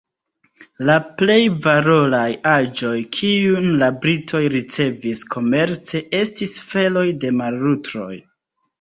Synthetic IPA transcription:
laple̞jvaɾo̞lajad͡ʒo̞jkʰiunlabɾitʰo̞jɾit͡se̞viskʰo̞me̞ɾt͡se̞ʔe̞stisfe̞lo̞jde̞malɾutɾo̞̰j

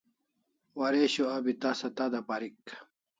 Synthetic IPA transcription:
wɐɾeɕoɐbit̪asɐt̪ad̪ɐpaɾik

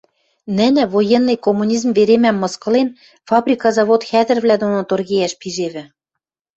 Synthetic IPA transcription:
nɘ̆nɘ̆vojenːɤjkomːunʲizmveɾemæmːɤ̆skɤ̆len | fɑbrʲikɑzɑβot̪xæðɘ̆rvlæd̪onot̪orɣejæʃpiʒeβɘ̆

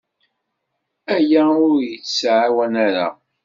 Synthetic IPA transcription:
æjæʊɾjət͡sːsʕawænaɾa̰

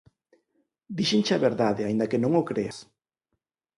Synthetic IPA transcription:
d̪iʃɪnt͡ʃɐβeɾðaðeaind̪ɐkenõŋokɾeɐs

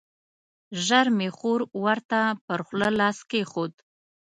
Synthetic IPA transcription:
ʒaɾmeχoɾwaɾt̪apəɾχʷləlɑskeχod̪

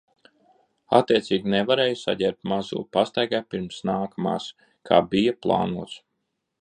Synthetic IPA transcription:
a̰t̪ːiɛt̪siːɡʲinevaɾɛːjusa̰ɟʲɛɾp̚t̪mazṵːpast̪ajɡaːpiɾmsnaːkʰama̰ːs | kʰa̰ːbijaplˠa̰ːnuɔt̪s

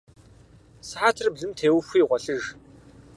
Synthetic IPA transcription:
səħaːtʰɨrbɮɨmtʰeːwxʷiːʁʷɔɬɨʒ

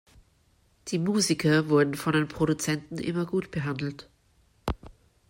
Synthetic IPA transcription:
d̥iːmuːzɪkɐvʊɐdn̩fɔndeːnpʁ̥oɾut͡sɛntn̩ʔɪ̰mɐɡuːtb̥əɦandl̩t

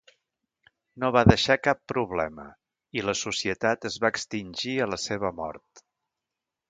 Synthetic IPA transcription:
noβ̞aðəʃakapːɾuβ̞lɛmə̰ | iləsusiət̪at̪əzβaəkst̪inʲʒiələseβəmɔ̰ɾt̪

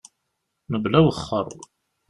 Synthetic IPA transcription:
nəblæwəχːə̰rˤː

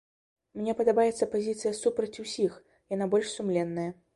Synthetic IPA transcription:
mnʲɛpɐd̪abajɛt̪sːɐpazʲit̪sɨjɐsupɾɐt͡sʲusʲix | janabɔlʲʂsumlʲɛnːɐjɐ

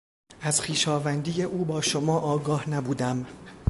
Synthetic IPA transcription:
ʔæzxiːʃɒːvænd̪iːjeʔuːbɒːʃomɒːʔɒːɡɒːhnæbuːd̪æm

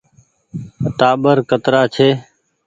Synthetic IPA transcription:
ət̪aːɓəɾkət̪ɾaːt͡ʃʰeː

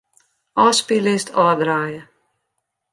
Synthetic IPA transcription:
ɑːspilɪst̪ʰɑːd̪ɾaːjə

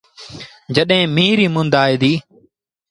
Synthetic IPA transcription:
d͡ʒəɗɦẽːmiːɾiːmʊnd̪aːeːd̪iː

